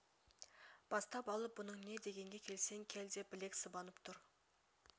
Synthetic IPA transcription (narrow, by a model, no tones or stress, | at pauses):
b̥ɑst̪ɑpɑlˠəp̚bʊnəɴne̞d̪e̞ɡʲe̞ŋɡʲe̞kʲʰe̞lse̞ŋkʲʰeld̪e̞p̚bɪle̞ksəbɑnəpt̪ʰʊɾ